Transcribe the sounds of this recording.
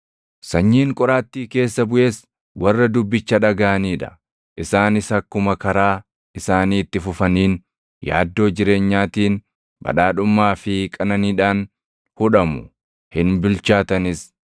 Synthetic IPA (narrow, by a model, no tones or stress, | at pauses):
sɐɲːiːŋkʼɔɾaːt̪ːiːke̞ːsːɐbʊʔe̞ːs | wɐrːɐd̪ʊbːɪt͡ʃːɐᶑɐɡaʔɐniːᶑɐ̥̰ | ʔɪsaːnɪsɐkːʊmɐkɐɾaː | ɪsaːniːt̪ːɪfʊfɐniːn | ja̰ːd̪ːo̞ːd͡ʒɪɾe̞ːɲːaːt̪iːn | bɐ̰ᶑaːᶑʊmːaːfɪkʼɐnɐniːᶑaːn | hʊᶑɐmʊ | hɪnbɪlt͡ʃaːt̪ɐnɪs